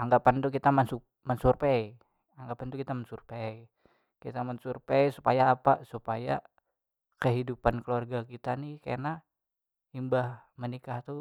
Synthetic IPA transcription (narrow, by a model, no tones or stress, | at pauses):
aŋɡapant̪ukit̪amənsup̚ | mənsurpei | aŋɡapant̪ukit̪amənsurpei | kit̪amənsurpeisu̥pajaːpasupaja | kəɦidupankəluarɡakit̪anikana | imbahmənikaht̪u